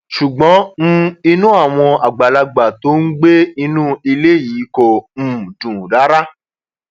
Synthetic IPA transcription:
ʃu˨ɡ͡bɔ̃˨˦m̩˦i˧nũ˦a˦˨w̃ɔ̃˧a˨ɡ͡ba˨la˧ɡ͡ba˨to˨˦n̩˦ɡ͡be˦i˧nũː˦i˧le˦˨ji˨˦ko˨m̩̃ː˦˨dũ˨da˨˦ɾa˦

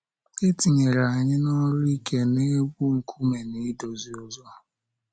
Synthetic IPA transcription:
e˦ti˨ɲe˨ɾa˨ɲɪ˦nɔ˦ɾi˦kʰe˦ne˦ɡʷu˦ŋ̩˨kʰu˦me˨ni˦do˨zi˨ɔ˨zɔ˦

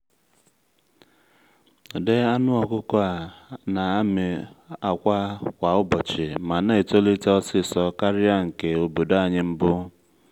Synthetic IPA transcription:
de˦a˦nʊ˦ɔ˨kʊ˦kɔ˦a˨na˨a˦mɪ˨a˨kʷa˦kʷa˨ʊ˦bɔ˨t͡ʃɪ˨ma˨ne˦e˨to˦li˦tɔ˦sɪ˦sɔ˦ka˦ɾɪ˦a˦ŋ̩˨ke˨o˨bo˨da˨ɲɪ˦m̩˦bʊ˦

